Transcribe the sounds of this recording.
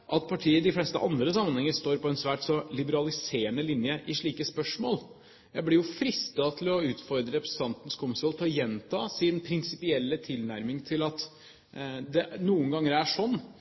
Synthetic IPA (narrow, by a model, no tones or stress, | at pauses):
ʔɑt̪̚pʰɑʈʰiːəd̪ɪflɛst̪ə̰ʔɑnd̪ɾəsɑmːənhɛŋəst̪oːɾpɔɛnsʋæːʈsɔlɪbəɾɑlɪseːəɳəlɪnjəʔɪʂɭiːkəspœʂmo̰ːl | jæɪblɪɾjʊfɾɪst̪ɑt̪ʰɪlɔʉːt̪fɔɾd̪ɾəɾɛpɾəs̩t̪ʰɑnt̪n̩skʰʊmsɔlt̪ʰɔjɛnt̪ʰɑːsɪnpʰɾɪnsɪpɪɛlːət̪ʰɪlnæɾmɪŋt̪ʰɪlɑt̪ | d̪ɛnuːənŋɡɑŋːəɾæʂɔnː